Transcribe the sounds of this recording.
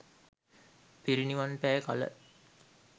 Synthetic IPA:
piɾiniʋanpæːka̰lə̰

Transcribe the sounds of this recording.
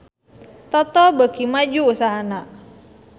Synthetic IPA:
t̪ɔt̪ɔbəɡ̥imad͡ʒuːsaɦanaʔ

